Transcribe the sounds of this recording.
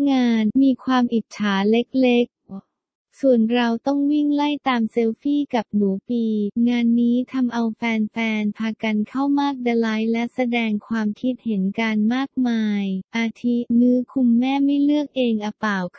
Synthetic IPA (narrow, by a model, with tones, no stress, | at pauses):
ŋaː˧nmiː˧kʰwaː˧mʔi˨˩t̪̚t͡ɕʰaː˩˦le˦˥k̚le˦˥k̚ | su˨˩ənɾa˧wt̪ɔ˥˩ŋwi˥˩ŋla˥˩jt̪aː˧mse˧˥wfiː˥˩ka˨˩p̚nuː˩˦piː˧ŋaː˧nːiː˦˥t̪ʰa˧mʔa˧wfɛː˧nfɛː˧npʰaː˧ka˧nkʰa˥˩wmaː˥˩k̚da˧la˦˥jlɛ˦˥sa˧dɛː˧ŋkʰwaː˧mkʰi˦˥t̪̚he˩˦nkaː˧nmaː˥˩k̚maː˧jʔaː˧t̪ʰi˦˥nɯː˦˥kʰu˧mːɛː˥˩ma˥˩jlɯ˥˩ək̚ʔeː˧ŋʔa˧paː˨˩wkʰ